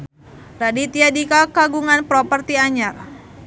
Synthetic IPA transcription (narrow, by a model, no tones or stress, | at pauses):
radit̪iadikakaɡuŋanpɾɔpərt̪iaɲar